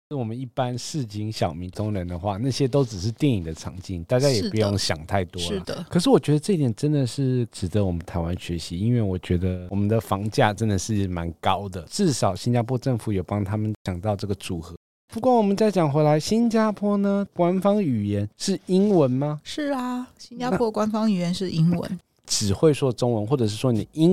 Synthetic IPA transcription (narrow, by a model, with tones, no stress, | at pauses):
wɔ˨˩mə˦ni˥˩pa˦nʂɻ̩˥˩t͡ɕi˥nɕjɑ˨˩ʊmi˨˧˥ŋt͡s̪ʰʊ˥ŋɻə˧˦nd̪ə˨xwa˥˧na˥˩ɕjɛ˦˥t̪o˥ʊʈ͡ʂɻ̩˨˩ʂ̬ɻ̩˥˧t̪jɛ˥˩ni˨˩ŋd̪ə˦t͡sʰɑ̰˧˥ŋt͡ɕi˥˩nt̪a˥˩t͡ɕja˥jɛ˨pu˧˥jʊ˥˧ŋɕjɑ̰˨˩ŋt̪ʰa˥˩ɪt̪wɔɔ˥ldə˨kʰɤ˨˩ʂɻ̩˥˩wɔ˨˩t͡ɕɥɛ˧˥d̪ə˧ʈ͡ʂɤ˥˧i˥t̪jɛ˨˩nʈ͡ʂə˦˥nd̪ə˨ʂɻ̩˥˩ʈ͡ʂɻ̩˨˩d̪ə˦wɔ˨˩mə˦nt̪ʰa˧˥ɪwa˦˥nɕɥɛ˧˥ɕi˧˦i˦˥nwe˥˩ɪwɔ˨˩t͡ɕɥɛ˧˥d̪ə˧wɔ˨˩mə˦nd̪ə˨fɑ˧˥ŋt͡ɕja̰˥˩ʈ͡ʂə˦˥nd̪ə˨ʂɻ̩˥˩ma˧˦nkɑ˦˥ʊd̪ə˨ʈ͡ʂɻ̩˥˩ʂɑ˨˩ʊɕi˥nt͡ɕa˥pʰwɔ˥ʈ͡ʂə˥˩ŋfu˨˩jɛ˨˩pɑ˥ŋt̪ʰa˥mə˨nɕjɑ˨˩ŋt̪ɑ˥˧ʊʈ͡ʂɤ˥˩ɡə˩t͡su˨˩xɤ˧˦ | pu˧˥kwɔ˥˩wɔ˨˩mə˨˦nt͡sa˥˩ɪt͡ɕjɑ˨˩ŋxwe˧˥ɪla˧˥ɪɕi˥nt͡ɕja˥pʰwɔ˥nə˨kwa˥nfɑ˥ŋy˨˩jɛ˧˦nʂɻ̩˥˩i˥nwə˧˥nma˧ʂɻ̩˥˩ɐ˨ɕi˥nt͡ɕa˥a˥wɔ˥kwa˥nfɑ˥ŋy˨˩jɛ˧˦nʂɻ̩˥˩ʔi˥ŋwə̰˧˦n | ʈ͡ʂɻ̩˨˩xwe˥˩ɪʂwɔ˥ʈ͡ʂo˥ŋwə˧˦nxwɔ˥˩ʈ͡ʂɤ˨˩ʂ̬ɻ̩˥˩ʂwɔ˥ni˨˩i˦˥